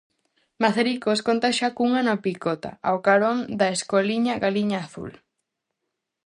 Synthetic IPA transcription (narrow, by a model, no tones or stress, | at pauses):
maθeɾikoskont̪aʃakuŋanapikot̪a̰a̰wkaɾond̪aeskoliɲaɣaliɲaːθṵl